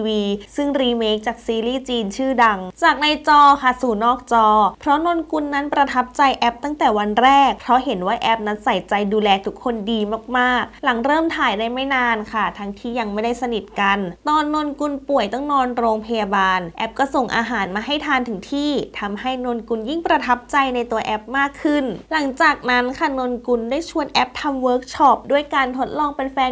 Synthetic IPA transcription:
wiː˧sɯ˥˩ŋɾiː˧meː˦˥k̚t͡ɕaː˨˩k̚siː˧liː˥˩t͡ɕiː˧nt͡ɕʰɯː˥˩da˧ŋt͡ɕaː˨˩k̚na˧jt͡ɕɔː˧kʰa˥˩suː˨˩nɔː˥˩k̚t͡ɕɔː˧pʰɾɔ˦˥no˧nku˧nːa˦˥npɾa˧t̪ʰa˦˥p̚t͡ɕa˧jʔɛ˦˥p̚t̪a˥˩ŋt̪ɛː˨˩wa˧nɾɛː˥˩k̚pʰɾɔ˦˥ɦe˩˦nwaː˥˩ʔɛ˦˥p̚na˦˥nsa˨˩˦jt͡ɕa˧jduː˧lɛː˧t̪ʰu˦˥kʰːo˧ndiː˧maː˥˩k̚maː˥˩k̚la˨˩˦ŋɾɤː˥˩mt̪ʰaː˨˦jdaː˥˩jma˥˩jnaː˧nkʰa˥˩t̪ʰa˧ŋt̪ʰiː˥˩ja˧ŋma˥˩jda˥˩jsa˧ni˨˩t̪̚ka˧nt̪ɔː˧nːo˧nku˧npu˨˩əjt̪ɔ˥˩ŋnɔː˧nɾoː˧ŋpʰa˧jaː˧baː˧nʔɛ˦˥p̚kɔː˥˩so˨˩ŋʔa̰ː˧ɦaː˩˦nmaː˧ɦa˥˩jt̪ʰaː˧nt̪ʰɯ˨˩˦ŋt̪ʰiː˥˩t̪ʰa˧mha˥˩jno˧nku˧nji˥˩ŋpɾa˧t̪ʰa˦˥p̚t͡ɕa˧jna˧jt̪u˧ɐʔɛ˦˥p̚maː˥˩kʰːɯ˥˩nla˩˦ŋt͡ɕaː˨˩k̚na˦˥nkʰa˥˩no˧nku˧ndaː˥˩jt͡ɕʰu˧ənʔɛ˦˥p̚t̪ʰa˧mwɤː˦˥k̚t͡ɕʰɔ˦˥p̚du˥˩əjkaː˧nt̪ʰo˦˥t̪̚lɔː˧ŋpe˧nfɛː˧n

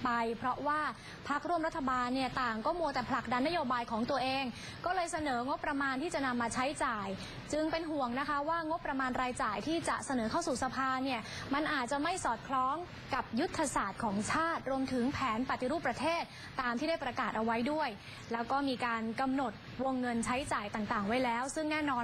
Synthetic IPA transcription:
pa˧jpʰɾɔ˦˥ʔwaː˥˩ | pʰa˦˥k̚ɾu˥˩əmɾa˦˥t̪ʰːa˧baː˧nːi˥˩ɐt̪aː˨˩ŋkɔː˥˩mu˧ət̪ɛː˨˩pʰla˨˩k̚da˧nːa˦˥joː˧baː˧jkʰɔː˩˦ŋt̪u˧ɐʔeː˧ŋ | kɔː˥˩lɤː˧jsa˧nɤː˩˦ŋo˦˥pːɾa˧maː˧nt̪ʰiː˥˩t͡ɕa˨˩na˧mːaː˧t͡ɕʰa˦˥jt͡ɕaː˨˩j | t͡ɕɯ˧ŋpe˧nɦu˨˩əŋna˦˥kʰa˦˥waː˥˩ŋo˦˥pːɾa˧maː˧nɾaː˧jt͡ɕaː˨˩jt̪ʰiː˥˩t͡ɕa˨˩sa˧nɤː˩˦kʰa˥˩wsuː˨˩sa˧pʰaː˧ni˥˩ə | ma˧nʔaː˨˩t̪̚t͡ɕa˨˩ma˥˩jsɔː˨˩t̪̚kʰlɔː˦˥ŋ | ka˨˩p̚ju˦˥t̪ʰːa˧saː˨˩t̪̚kʰɔː˩˦ŋt͡ɕʰaː˥˩t̪̚ɾu˧əmt̪ʰɯ˩˦ŋpʰɛː˩˦npa˨˩t̪i˨ɾuː˥˩pːɾa˧t̪ʰeː˥˩t̪̚ːaː˧mt̪ʰiː˥˩da˥˩pɾa˧kaː˨˩t̪̚ʔa˧wa˦˥jdu˥˩əj | lɛː˦˥wkɔː˥˩miː˧kaː˧nka˧mno˨˩t̪̚wo˧ŋːɤ˧nt͡ɕʰa˦˥jt͡ɕaː˨˩jt̪aː˨˩ŋt̪aː˨˩ŋwa˦˥jlɛː˦˥wsɯ˥˩ŋnɛː˥˩nɔː˧

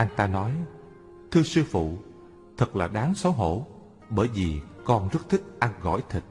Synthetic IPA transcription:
ʔa˧jt̪aː˧nɔ˨˦j | t̪ʰɨ˧sɨ˧fṵ˧˨ | t̪ʰə˨˩k̚laː˨˩ɗaː˨˦ŋsɔ˨˦wɦo̰˧˩˨ | ɓəː˧˩jvi˨˩kɔ˧nzə˦˥t̚t̪ʰï˦˥k̚ʔa˧nɣɔ̰˧˩˨jt̪ʰi˨˩k̚

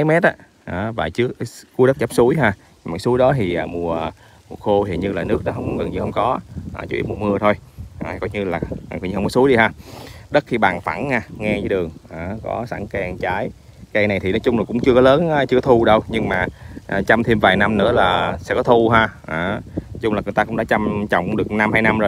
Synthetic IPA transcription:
a˨˦jmɛ˦˥t̚aː˨˦ | ʔaː˨˩vaː˨˩t͡ɕɨ˦˥əkːu˨˦ɗə˦˥t̚t͡ɕə˦˥p̚su˨˦jɦaː˧ | maː˨˩˦su˨˦əjɗɔ˨˦t̪ʰi˨˩ʔaː˨˩mu˨˩ə˨˩ | mu˨˩t̚xo˧hḭ˨˧˩ənɲɨ˧laː˨˩nɨ˦˥ək̚ɗɔ˨˦ɦə˧wŋ͡mɣə˨˩nɲi˧hə˧ŋ͡mkɔ˨˦ʔa̰ː˨˩t͡ɕu˧˦i˦˥mu˨˩əmɨ˧ət̪ʰo˧jha̰ː˨˩kɔ˨˦jɲɨ˧laː˨˩a˨˩kːɲɨ˧hə˧wŋ͡mkɔ˨˦su˨˦jɗi˧haː˧ɗə˦˥t̚xi˧ɓaː˨˩nfa̰˧˩nhaː˧˩ŋɛ˧vəː˨˦ɗɨ˨˩əŋʔaː˨˩kɔ̰˨˦sa̰ː˧˩ŋkɛ˧ŋt͡ɕaː˨˦j | kaː˧jna˨˩jt̪ʰi˨˩nɔ˨˦t͡ɕʊ˧ŋ͡mlaː˨˩kʊ̰˧˥ŋ͡mt͡ɕɨ˧əkɔ˨˦ləː˨˦nː˨˧t͡ɕɨ˧kɔ˦t̪ʰu˧ɗə˧wɲɨ˧ŋmaː˨˩˨t͡ɕa˧mt̪ʰi˧mvaː˨˩jna˧mnɨ̰˧˥əlaː˨˩sɛ̰˧˥kɔ˨˦t̪ʰu˧ɦaː˧ʔaː˨˩t͡ɕʊ˧ŋ͡mlaː˨˩ŋɨ˨˩jt̪aː˧kʊ˧˥ŋ͡mɗaː˧˦˥t͡ɕa˧mt͡ɕɔ̰˧˨wŋ͡mŋ͡mɗɨ˨˩ək̚na˧mhaː˧jna˧mzoː˨˩j

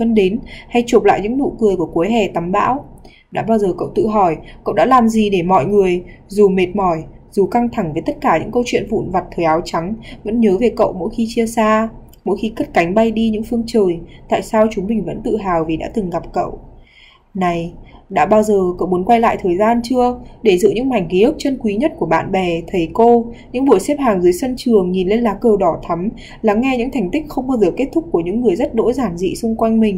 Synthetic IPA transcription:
fə˧nɗe˨˦nha˧jt͡ɕo˨˩p̚la̰ː˧˨jɲɨ̰˧˥ŋnṵ˧˨kɨ˨˩əjku˧˩əku˨˦jɦɛ˨˩t̪a˨˦mɓa̰ː˧˥w | ɗa̰ː˧˥ɓaː˧wzəː˨˩kə̰˧˨wt̪ɨ̰˧˨ɦɔ˧˩jkə̰˧˨wɗa̰ː˧˥laː˨˩mzi˨˩ɗe˧˩mɔ̰˧˨jŋɨ˨˩əjzu˨˩me˨˩t̚mɔ˧˩j | zu˨˩ka˧ŋt̪ʰa˧˩ŋvəː˨˦jt̪ə˦˥t̚kaː˧˩ɲɨ̰˧˥ŋkə˧wt͡ɕwḭ˧˨ənvṵ˧˨nva˨˩t̚t̪ʰəː˨˩jʔaː˨˦wt͡ɕa˨˦ŋvə̰˧˥nɲəː˨˦ve˨˩kə̰˧˨wmo̰˧˥jxi˧t͡ɕi˧əsaː˧ | mo̰˧˥jxi˧kə˦˥t̚ka˨˦jŋ̟ɓa˧jɗi˧ɲɨ̰˧˥ŋfɨ˧əŋt͡ɕəː˨˩jt̪a̰ː˧˨jsaː˧wt͡ɕʊ˨˦ŋ͡mɓï˨˩ŋ̟və̰˧˥nt̪ɨ̰˧˨ɦaː˨˩wvi˨˩ɗa̰ː˧˥t̪ɨ˨˩ŋɣa˨˩p̚kə̰˧˨w | na˨˩jɗa̰ː˧˥ɓaː˧wzəː˨˩kə̰˧˨wmu˨˦nkwa˧jla̰ː˧˨jt̪ʰəː˨˩jzaː˧nt͡ɕɨ˧əɗe˧˩zɨ̰˧˨ɲɨ̰˧˥ŋma˨˩jŋ̟ki˨˦ʔɨ˦˥k̚t͡ɕə˧nkwi˨˦ɲə˦˥t̚ku˧˩əɓa̰ː˧˨nɓɛ˨˩t̪ʰə˨˦jko˧ɲɨ̰˧˥ŋɓu˧˩əjsɛ˦˥p̚haː˨˩ŋzɨ˨˦jsə˧nt͡ɕɨ˨˩əŋɲi˨˩nle˧nlaː˨˦kəː˧˩ɗɔ˧˩t̪ʰa˨˦m | laː˨˩˦ŋːɛ˧ɲɨ̰˧˥ŋt̪ʰa˨˩jŋ̟t̪ï˦˥k̟̚xə˧wŋ͡mɓaː˧wzəː˨˩ke˦˥t̚t̪ʰʊ˦˥k͡p̚ku˧˩əɲɨ̰˧˥ŋːɨ˨˩əjzə˦˥t̚ɗo̰˧˥jzaː˧˩mzḭ˧˨sʊ˧ŋ͡mkwa˧jŋmï˨˩ŋ̟

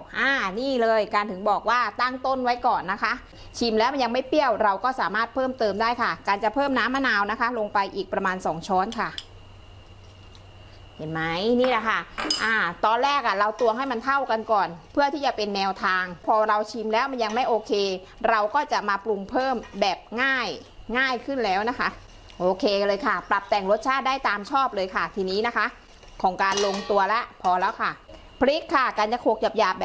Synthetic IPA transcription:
ʔaː˧˩niː˥˩lɤː˧jkaː˧nt̪ʰɯ˨˩˦ŋbɔː˨˩k̚waː˥˩t̪a˥˩ŋt̪o˥˩nwa˦˥jkɔː˨˩nːa˦˥kʰa˦˥ | t͡ɕʰi˧mlɛː˦wma˧nja˧ŋma˥˩jpi˥˩əwɾa˧wkɔː˥˩saː˩˦maː˥˩t̪̚pʰɤː˥˩˨mt̪ɤː˧mdaː˥˩jkʰa˥˩kaː˧nt͡ɕa˨˩pʰɤː˥˩mnaː˦˥mːaː˧˥˩naː˧wna˦˥kʰa˦˥lo˧ŋpa˧jʔiː˨˩k̚pɾa˧maː˧nsɔː˩˦ŋt͡ɕʰɔː˦˥nkʰa˥˩ | he˨˦nma˦˥jniː˥˩la˧˩kʰa˥˩ʔaː˧˩t̪ɔː˧nlɛː˥˩k̚ʔa˨˩ɾa˧wt̪u˧ɐŋha˥˩jma˧nt̪ʰa˥˩wka˧nkɔː˨˩npʰɯ˥˩ɐt̪ʰiː˥˩t͡ɕa˨˩pe˧nːɛː˧wt̪ʰaː˧ŋpʰɔː˧ɾa˧wt͡ɕʰi˧mlɛː˦˥wma˧nja˧ŋma˥˩jʔoː˧kʰeː˧ | ɾa˧wkɔː˥˩t͡ɕa˨˩maː˧plu˧ŋpʰɤː˥˩mbɛː˨˩p̚ŋaː˥˩j | ŋaː˥˩jkʰɯ˥˩nlɛː˦˥wna˦˥kʰa˦˥ | ʔoː˧kʰeː˧lɤː˧jkʰa˥˩pla˨˩p̚t̪ɛː˨˩ŋɾo˦˥t̪̚t͡ɕʰaː˥˩t̪̚daː˥˩jt̪aː˧mt͡ɕʰɔː˥˩p̚lɤː˧jkʰa˥˩t̪ʰiː˧niː˦˥na˦˥kʰa˦˥ʔ | kʰɔː˩˦ŋkaː˧nlo˧ŋt̪u˧ɐlɛ˦˥ʔpʰɔː˧lɛː˦˥wkʰa˥˩ | pʰli˦˥kʰːa˥˩kaː˧nt͡ɕa˨˩kʰoː˨˩k̚t͡ɕa˨˩p̚jaː˨˩p̚bː

